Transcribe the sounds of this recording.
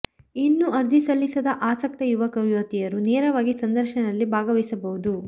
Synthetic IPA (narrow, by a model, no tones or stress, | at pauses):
inːuɐɾd͡ʒisɐlːisɐd̪ɐʔaːsɐk̚t̪ɐjuʋɐkɐʋjɐːt̪ijɐɾunɛːɾɐʋaːɡisɐnd̪ɐɾʃɐnɐlːibʱaːɡɐʋɐsɐbɐɦud̪u